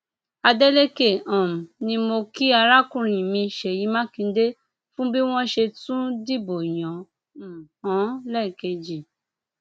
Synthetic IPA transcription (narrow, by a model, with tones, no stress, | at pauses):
a˧de˦le˦ke˦˨ã˨m˨nĩ˧mo˧ki˦a˧ɾa˦kũ˦ɾ̃ĩ˨mĩ˧ʃe˨ji˨˦mã˦kĩ˧˦de˦ | fũ˦bi˦w̃ɔ̃˦ʃe˧tũ˦di˦bo˨jɔ̃˨ | hɔ̃˨˦lɛ˦˨i˨ke˧d͡ʒi˨